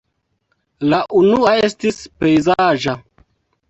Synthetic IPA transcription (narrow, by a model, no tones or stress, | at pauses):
laʔunuae̞stispe̞jzaʒa